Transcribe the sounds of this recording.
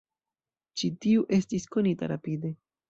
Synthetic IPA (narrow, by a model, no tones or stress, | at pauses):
t͡ʃitiuʔe̞stisko̞nita̰ɾapide̞